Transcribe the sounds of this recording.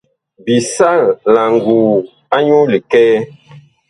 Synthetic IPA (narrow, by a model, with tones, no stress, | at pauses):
bi˨sa˦˨la˨ŋɡu˨ | a˦ɲu˦li˨kɛː˦